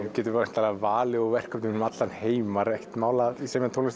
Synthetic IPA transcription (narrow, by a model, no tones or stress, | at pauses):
cɛːt̪ʏvaɾn̥t̪aːlavaːlɪɔɣvɛr̥kʰœpnŋʏnmat̪lanheːjmaɾɛht̪maːwlaðiseːmnt̪ʰowlɪs